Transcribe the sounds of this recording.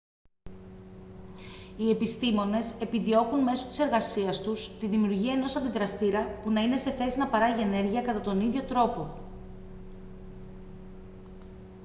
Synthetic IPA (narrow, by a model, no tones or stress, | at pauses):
ie̞pist̪imo̞ne̞se̞piðio̞kunme̞so̞̥t̪i̥se̞ɾɣɐsiɐst̪ust̪iðimiuɾʝiɐeno̞sɐnd̪iðɾɐst̪iɾɐpunɐine̞se̞θe̞sinɐpɐɾɐʝie̞ne̞ɾʝiɐkɐt̪ɐt̪o̞niðʝo̞t̪ɾo̞po̞